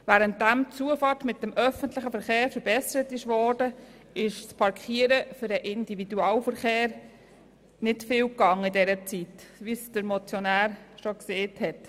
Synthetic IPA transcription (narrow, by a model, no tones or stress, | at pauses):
ʋæːɾənt̚dæmt͡suəfɑtmɪt̚dɛmʔœfəntlɪχəfəɾχeːɾfəɾbɛsəɾətɪʃʋɔːdə | ɪʃspʰɑɾkχiəɾəfʏɾəʔɪndividuɑːlfəɾχeːɾ | nɪtfɪːwkɑŋːidɛɾət͡sitʋisd̥əɾmɔt͡sjɔnæːɾʃɔkseːthɛt